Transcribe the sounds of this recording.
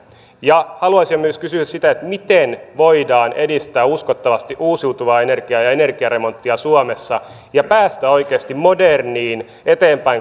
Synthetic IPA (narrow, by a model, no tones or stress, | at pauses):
jɑhɑluɑsimːyøskysyæssit̪æet̪mit̪enʋo̞idɑːnʔedist̪æːuskot̪ːɑʋɑst̪iʔuːsiut̪uʋɑːenerɡ̥iɑjɑenerɡ̥iɑɾe̞mo̞nt̪ːiɑsuɑmesːɑ | jɑpæːst̪æo̞ikeːst̪immo̞derniːn | et̪eːmpæi